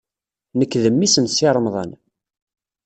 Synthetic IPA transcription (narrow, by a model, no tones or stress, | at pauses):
nəkːðəmːisənsɪɾˤəmðˤə̰n